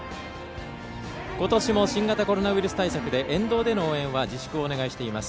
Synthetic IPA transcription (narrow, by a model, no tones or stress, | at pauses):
ko̞t̪o̞ɕimo̞ɕĩŋɡat̪ako̞ɾo̞naβiɾɯ̟sɨ̥t̪aisakɯ̟d̪e̞ʔẽ̞nd̪o̞ːd̪e̞no̞oːẽ̞βad͡ʑiɕi̥kɯ̟o̞ːne̞ɡaiɕi̥t̪e̞imasɨ̥